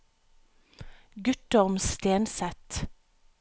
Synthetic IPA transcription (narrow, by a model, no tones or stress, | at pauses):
ɡʉt̪ɔʁmst̪eːnsɛt̪